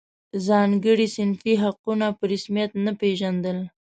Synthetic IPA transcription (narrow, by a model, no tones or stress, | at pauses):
zɑŋɡəɽisɪnfiɦaqunapəɾɪsmijat̪napeʒand̪əl